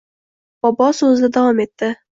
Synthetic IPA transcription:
b̥ɒbɒsɵzd̪ɪd̪awɒmet̪ːɪ

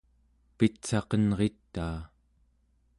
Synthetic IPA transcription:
pit͡sɑqʌnʁe̞t̪ːaː

